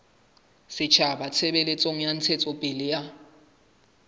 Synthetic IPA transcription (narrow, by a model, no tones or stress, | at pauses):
sɪt͡ʃʰabat͡sʰɛbɛlet͡sʼoŋ̩jan̩t͡sʰɛt͡sʼɔpʼɪlɪja